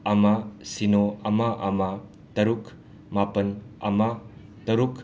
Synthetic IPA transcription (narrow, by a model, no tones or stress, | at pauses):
ɐmasinoɐmaʔɐma | tɐɾuk | mapɐnɐ̰ma | tɐɾuk